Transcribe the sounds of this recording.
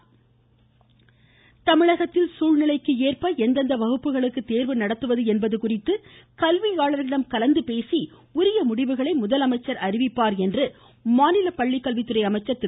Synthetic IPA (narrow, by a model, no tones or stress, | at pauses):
t̪ɐmɪɭɐɣɐt̪ːɪlsuːɻnɪlɐɪkːɯeːrpɐɛnd̪ɐnd̪ɐʋɐɣɯpːɯɣɐɭɯkːɯt̪eːɾʋɯnɐɽɐt̪ːɯʋɐðɯɛnbɐðɯkʊrɪt̪ːɯkɐlʋiaːɭɐɾɪɽɐmkɐlɐnd̪ɯpeːsi | ʊɾɪjɐmʊɽɪʋɯɣɐɭɐɪmʊðɐlɐmɐɪt͡ʃːɐɾɐrɪʋɪpːaːɾɛndrɯ | maːnɪlɐpɐɭːɪkːɐlʋɪt̪ːɯɾɐɪɐmɐɪt͡ʃːɐɾt̪ɪ